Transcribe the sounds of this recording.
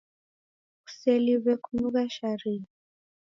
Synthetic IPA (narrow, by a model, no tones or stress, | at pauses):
ku̥sɛliβɛkunuɣaʃaɾi